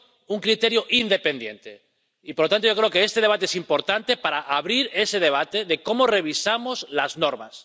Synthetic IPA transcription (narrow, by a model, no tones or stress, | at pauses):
uŋkɾit̪eɾjoʔind̪e̞pend̪je̞̰nt̪e | ipoɾlot̪ant̪oo̞kɾeokeest̪e̞ð̞e̞β̞at̪eesimpo̞ɾt̪ant̪e̞paɾaʔaβɾiɾe̞se̞ð̞e̞β̞at̪eðe̞ko̞more̞β̞isamozlaznoɾma̰s